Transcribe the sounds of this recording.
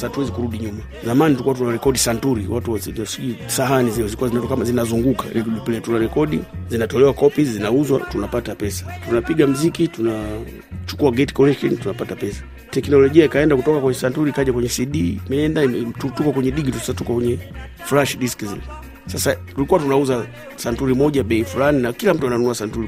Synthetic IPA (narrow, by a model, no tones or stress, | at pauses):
satuwɛzikuɾuɗiɲuma | zamanitulikuwat̬unaɾɛkɔɗisantuɾiwatuazisiusaɦaniziɔzilikuwazinatɔkamazinazuŋɡuka̰ɾɛkipilatunaɾɛkɔɗizinatɔlɛwakɔpizinauzwa̰tunapatapɛsḁtunapiɡam̩zikituna | t͡ʃu̥kuaɡɛti̥kɔlɛkʃɔntunapatapɛsḁ | tɛknɔlɔʄiaikaɛndakutɔkakwɛɲɛsantuɾikaʄakwɛɲɛsiɗimɛɛndaitutukɔkwɛɲɛɗiɡitussatukakwɛɲɛflaʃɗiskizḭlɛ | sasatulikuwatunauza | santuɾimɔʄaɓɛifulaninakilam̩tuananunuasantuɾi